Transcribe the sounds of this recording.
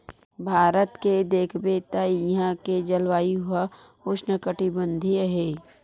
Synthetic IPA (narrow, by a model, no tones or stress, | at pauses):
bʱaːɾət̪ked̪eːkʰbet̪aiɦãked͡ʒəlwaːiɦʊa | ʊʃnəkəʈibə̃nd̪ʱiɦeː